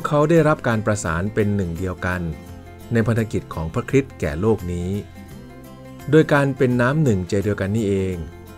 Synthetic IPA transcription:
kʰa˦˥wdaː˥˩jɾa˦˥p̚kaː˧npɾa˧sa̰ː˩˦npe˧nːɯ˨˩ŋdi˧əwka˧nː | a˧jpʰa˧nt̪ʰa˧ki˨˩kʰɔː˩˦ŋpʰɾa˦˥kʰɾi˦˥t̪̚kɛ̰ː˨˩loː˥˩k̚niː˦˥ | doː˧jkaː˧npe˧nːaː˦˥mnɯ˨˩ŋt͡ɕaː˧di˧wka˧nːiː˥˩ʔeː˧ŋ

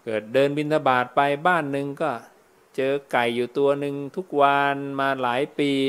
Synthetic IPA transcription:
kɤː˨˩t̪̚dɤː˧nbi˧nt̪ʰa˧baː˨˩t̪̚pa˧jbaː˥˩nːɯ˨˧ŋkɔː˥˩ | t͡ɕɤː˧ka˨˩jːuː˨˩t̪u˧ɐnɯ˧ŋt̪ʰu˦˥k̚wa˧nmaː˧laː˩˦jpiː˧

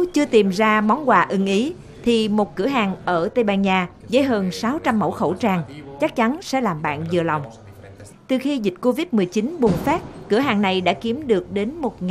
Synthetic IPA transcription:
t͡ɕɨ˧ət̪i˨˩mzaː˧mɔ˨˦nkwaː˨˩ʔɨ˨˧˦ŋʔi˨˦ | t̪ʰi˨˩mo˨˩t̚kɨ˧˩əɦaː˨˩ŋʔəː˧˩t̪ə˧jɓaː˧nɲaː˧ | zə̰˧˦jɦəː˧nsaː˨˦wt͡ɕa˧mːə̰˧˥˩wxə̰˧˩wt͡ɕaː˧˩ŋt͡ɕa˦˥k̚t͡ɕa˨˦nsɛ̰˧˥laː˨˩mɓa̰ː˧˨nzɨ˨˩əla˨˩wŋ͡m | t̪ɨ˧˩xi˧zï˨˩t̟̚ko˧vi˦˥t̚mɨ˨˩əjt͡ɕi˨˦nɓu˨˩ŋ͡mfaː˦˥t̚kɨ˧˩əɦaː˨˩ŋna˨˩jɗa̰ː˧˥ki˨˦əmɗɨ˨˩ək̚ɗe˨˦nmo˨˩t̚ŋ

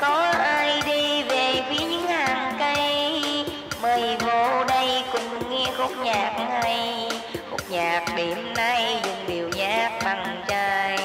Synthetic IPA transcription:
kɔ˨˦ʔaː˧jɗi˧ve˨˩fi˨˦əɲɨ̰˧˥˦ŋhaː˨˩ŋkə˧jj | məː˨˩jvo˧ɗə˧jkʊ˨˩ŋ͡mŋɛ˧xo˦˥k͡p̚ɲaː˨˩k̚ha˧jxo̰˦˥k͡p̚ɲaː˨˩k̚ɗe˨˦mna˧jzʊ̰˨˩ŋ͡mɗi˨˩əwɲaː˦˥k̚ɓa˨˩ŋt͡ɕaː˧j

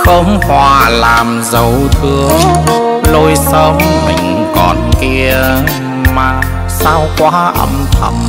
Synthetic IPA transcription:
xə˧wŋ͡mhwaː˨˩laː˨˩mzə˨˩wt̪ʰɨ˧əŋlo˧jsəː˧˥mmï˨˩ŋ̟ | kɔ˨˩nki˧ə | maː˨˩ | saː˧wkwaː˨˥ʔə̰˧mt̪ʰə̰˧˩m

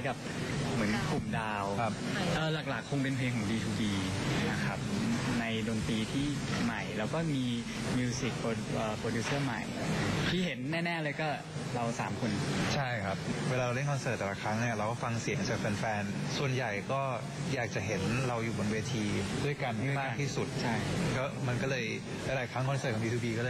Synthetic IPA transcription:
jka˨˩p̚mɯ˩˦ənkʰu˨˩mdaː˧wʰa˦˥p̚ʔɤː˧laː˨˩k̚laː˨˩kʰːo˧ŋpe˧npʰeː˧ŋkʰɔː˩˦ŋdiː˧t̪ʰuː˧˩diː˧na˧kʰa˦˥p̚na˧jdoː˧nt̪iː˧t̪ʰiː˥˩ma˨˩jɾɛː˦˥wkɔː˥˩miː˧ | mi˧si˨˩k̚po˧ʔəː˨˩pɾoː˧duː˦˥sɤː˥˩ma̰˨˩jt̪ʰiː˥˩ɦe˩˦nːɛː˥˩nɛː˥˩lɤː˧jkɔː˥˩ | ɾa˧wsa̰ː˩˦mkʰo˧nt͡ɕʰa˥˩jkʰa˦˥p̚weː˧laː˧ɾa˧le˥˩ŋkʰɔ˧nsəː˨˩t̪̚ːɛː˨˩la˧˥kʰɾa˦˥ŋni˥˩ɐɾa˧wkɔː˥˩fa˧ŋsi˨˩˦ŋt͡ɕaː˨˩k̚pʰɛ˧nfɛː˧nsu˨˩ənja˨˩jkɔː˥˩ | jaː˨˩k̚t͡ɕa˨˩ɦe˩˦nɾa˧wjuː˨˩bo˧nweː˧t̪ʰiː˧du˥˩əjka˧nha˥˩ma˥˩t̪ʰiː˥˩su˨˩t̪̚t͡ɕʰa˥˩jkɔː˥˩ma˧nkɔː˥˩lɤː˧j | laː˧˥jlaː˨˩˦jkʰɾa˦˥ŋkʰnsɤː˨˩ɔ˩˦wiː˧t̪uː˧biː˧kɔ˥˩lɤː˧

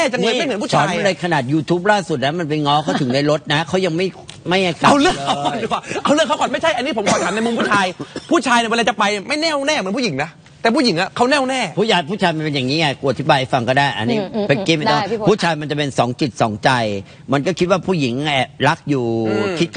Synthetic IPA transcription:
ɛː˥˩t͡ɕa˧ŋlɤː˧ma˥˩jmɯ˩˦npʰu˥˩a˨˩˧a˥˩˨lɤː˧jkʰa˧naː˨˩t̪̚juː˧t̪ʰuː˦˥p̚laː˥˩su˨˩t̪̚na˦˥ma˧npa˧ŋɔː˦˥kʰa˧˥˩t̪ʰɯ˩˦ŋdaː˥˩jɾo˦˥t̪̚na˦˥kʰa˦˥wja˧ŋma˥˩jma˥˩jʔa˧˩ka˨a˧lɯ˥˩əŋa˦˥ɔ˨˩˨waː˨˩ʔa˧wlɯ˥˩əkʰːa˥kɔː˨˩nma˥˩jt͡ɕʰa˥˩jʔa˧nːiː˦˥pʰo˩˦mkʰɔː˨˩ntʰaː˨˩˦na˧jmo˧mpʰuː˥˩t͡ɕʰaː˧jpʰuː˥˩t͡ɕʰaː˧ji˨˩wla˧˩t͡ɕa˨˩pa˧jni˨˩ma˥˩jnɛː˥˩wnɛː˥˩m˨˩˦npʰu˥˩i˩˦ŋna˦˥ | t̪ɛː˨˩pʰuː˥˩ji˩˦ŋʔa˧˩kʰa˦˥˩wnɛː˥˩˨wnɛː˥˩pʰuː˥˩t͡ɕʰaː˧˩jpʰuː˥˩t͡ɕʰaː˧jma˧npe˧njaː˨˩ŋiː˦˥a˧˩ku˧˩˨a˩t̪ʰi˦˥baː˧jʔa˧˩jfa˧ŋkɔː˥˩daː˥˩jʔa̰˧niː˦˥pe˧˩kiː˥˩ma˧˩t̪ɔː˧˥˩puː˥˩t͡ɕʰaː˧jma˧nt͡ɕa˨˩pe˧nsɔː˩˦ŋt͡ɕi˨˩t̪̚sɔ̰ː˩˦ŋt͡ɕa˧j | ma˧nkɔː˥˩kʰi˦˥t̪̚waː˥˩pʰuː˥˩ji˩˦ŋɛ˨˩ɾa˦˥k̚juː˨˩i˦˥k

